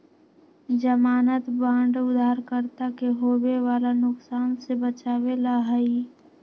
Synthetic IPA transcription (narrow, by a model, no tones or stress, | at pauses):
d͡ʒəmaːnət̪bãːɳɖʊd̪ʱaːɾkəɾt̪akeɦoːbeʋaːlanʊksaːnsebət͡ʃaːwelaɦəi